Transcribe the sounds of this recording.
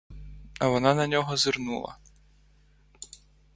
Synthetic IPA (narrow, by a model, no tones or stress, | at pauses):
ɐʋɔnɑnɐnʲɔɦɔzɪrnulˠɐ̰